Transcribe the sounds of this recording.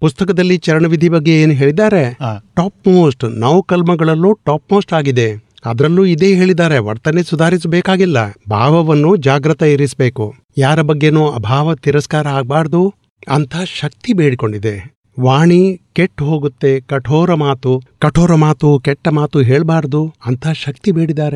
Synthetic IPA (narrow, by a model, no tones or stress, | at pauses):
pust̪ɐkɐd̪ɐlːit͡ʃɐɾɐɳɐʋid̪ʱibɐɡːe̞eːnuɦe̞ːɭid̪aːɾe̞ʈaːpmoːsʈnɐʋkɐlmɐɡɐɭɐlːuːʈaːp̚moːsʈaːɡid̪e̞ | ɐ̰d̪ɾɐlːuːid̪e̞ːɦe̞ːɭid̪aːɾeʋɐ̰ɾt̪ɐnesud̪ʱaːɾis̬beːkaːɡilːɐbʱa̰ːʋɐʋɐnːud͡ʒaːɡɾɐt̪ɐiɾisbe̞ːku | jaːɾɐbɐɡːenuːɐbʱaːʋɐt̪iɾɐskaːɾɐːɡ̚baːɾɐd̪u | ɐnt̪ʰɐʃɐk̚t̪ibeːɽiko̞ɳɖid̪e̞ | ʋaːɳikeʈːɦo̞ːɡut̪ːe̞kɐʈʰoːɾɐmaːt̪ukɐʈʰoːɾɐmaːt̪ukɛʈːɐmaːt̪uɦeːɭbaːɾɐd̪uɐnt̪ʰaʃɐk̚t̪ibeːɽid̪aːɾe